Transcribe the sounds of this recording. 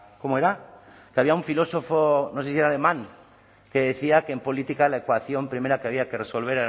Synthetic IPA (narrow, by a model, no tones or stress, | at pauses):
ko̞moeɾa | keaβiauɱfilo̞so̞fono̞sesieɾale̞mãŋ | ke̞ðeθiakeempo̞lit̪ikalaekwaθjo̞mpɾime̞ɾakeaβ̞iake̞reso̞lβ̞e̞ɾe